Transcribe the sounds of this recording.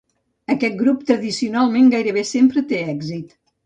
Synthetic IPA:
əkɛt̪̚ɡɾupt̪ɾəðisiunalˠmeŋɡajɾəβ̞esempɾət̪eɛɡzit̪

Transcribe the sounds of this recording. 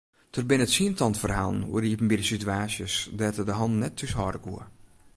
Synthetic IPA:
tʰərbɪnəətsiəntʰɔntfərha̰ːlˠnṵəriəpm̩bidəsityaːsjəsdɛtədəɦɔnnɛtʰːyshɔːdəkṵər

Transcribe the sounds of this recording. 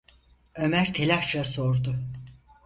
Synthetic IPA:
ø̞mæɾt̪ʰelʲaʃasoɾd̪ʊ

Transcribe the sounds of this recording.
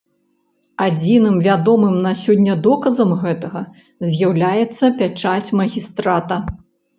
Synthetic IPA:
ad͡zʲinɨmvʲad̪ɔmɨmnɐsʲɔdʲːɐd̪ɔkɐzɐmɣɛt̪ɐɣɐ | zʲjawlʲajɛt̪sːɐpʲat͡ʂat͡sʲmɐɣʲist̪ɾat̪ɐ

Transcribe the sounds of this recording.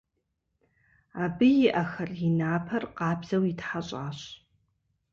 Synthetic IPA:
aːbɨjɪʔɐxɐrjɪnaːpʰɐrqɑːbz̥ɐwitħaɕʼaːɕ

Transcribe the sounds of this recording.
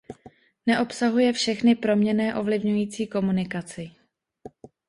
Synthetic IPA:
nɛʔo̞psaɦujɛfʃɛxnɪpɾo̞mɲɛnɛːʔo̞vlɪvɲujiːt͡siːko̞munɪkat͡sɪ

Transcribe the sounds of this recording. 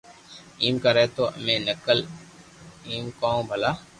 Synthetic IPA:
iːmkaɾɛːt̪oːə̰mẽːnəkəl | iːmkaːũbʱəlaː

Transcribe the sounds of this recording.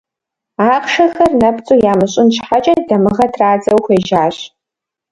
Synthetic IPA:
aːqʃɐxɐrnɐpt͡sʼujaːmɨɕʼɪnt͡ʃħat͡ʃʼɐdɐmɨʁɐtʰraːd͡zʼɐwxʷeːʒaːɕ

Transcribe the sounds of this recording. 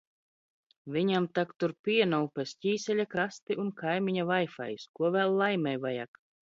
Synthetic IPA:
vʲiɲamt̪akt̪uɾpʲiɛnɔwpʲɛsʲcʲiːsʲɛlʲakɾast̪iʔunkʰajmʲiɲavajfa̰jskuɔvʲæːlˠːajmʲɛjvaja̰k

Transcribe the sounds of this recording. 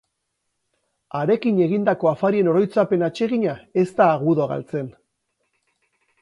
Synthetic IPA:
aɾe̞kiɲe̞ɣ̞ind̪ako̞afaɾie̞no̞ɾo̞jt͡sape̞nat͡ʃe̞ɣ̞iɲae̞st̪aːɣuðoɣa̰lt͡se̞n

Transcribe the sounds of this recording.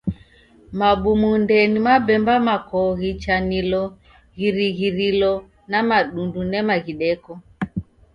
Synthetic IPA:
maɓumundɛnimabɛmbamakɔɣit͡ʃanilɔ | ɣiɾiɣiɾilɔ | namaɗundunɛmaɣiɗɛkɔ

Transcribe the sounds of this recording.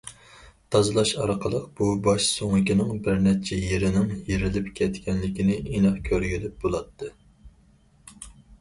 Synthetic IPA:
t̪ʰɑzɨlˠɑʃɑɾqʰəlˠəqb̥ubɑʃsoŋɨkʲinɪŋbɪɾnɛt͡ʃʰɛjeɾɪnɪŋjeɾɪlɪpkʲʰɛt̪kʲʰɛnlɪkʲinɪinɑχkʲʰøɾɡʲilɪp̚bolˠɑt̪ʰːɨ

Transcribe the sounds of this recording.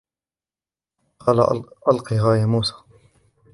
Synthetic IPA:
qʰɑːlaʔalqiɦaːjamuːsḁː

